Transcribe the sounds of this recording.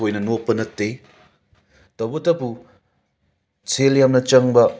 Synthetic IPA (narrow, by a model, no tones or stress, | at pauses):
ojnɐnopːɐnɐtːe | tɐwbɐtɐpu | t͡sʰeljamnɐt͡ʃɐŋbɐ